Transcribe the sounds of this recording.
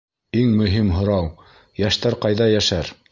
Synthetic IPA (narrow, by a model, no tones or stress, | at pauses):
iŋmɵ̆ɦimɦŏɾɑw | jæʃt̪æɾqɑjðɑjæʃæɾ